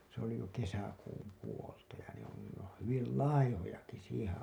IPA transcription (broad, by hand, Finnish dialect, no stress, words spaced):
se oli jo kesækuːm puoltɑ jɑ ne on nin n oːn̞ hyʋil lɑihojɑki siːhẽː